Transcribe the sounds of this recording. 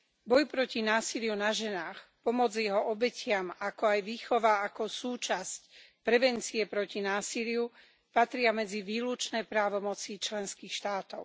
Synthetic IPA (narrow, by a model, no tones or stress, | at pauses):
bɔjpɾɔcinaːsilɪjunaʒɛnaːxpɔmɔd͡zjɛɦɔʔɔbɛcɪamakɔajʋiːxɔʋaakɔsuːt͡ʃascpɾɛʋɛnt͡siɛpɾɔcinaːsilɪu | pat̪ɾɪamɛd͡ziʋiːlut͡ʃnɛjpɾaːʋɔmɔt͡sit͡ʃlɛnskiːxʃt̪aːt̪ɔʊ